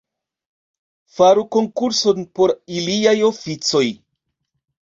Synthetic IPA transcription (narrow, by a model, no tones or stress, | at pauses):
faɾuko̞ŋkuɾso̞npo̞ɾiliajo̞fit͡so̞j